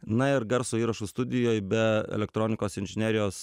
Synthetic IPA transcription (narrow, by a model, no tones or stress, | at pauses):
nɐɪɾɡɐɾsoːiːɾɐʃust̪ʊd̪ʲɪjoːjbʲɛɛ̰lʲɛk̚t̪ɾoːnʲɪkoːsɪnʲʒʲɪnʲæːɾʲɪjoːs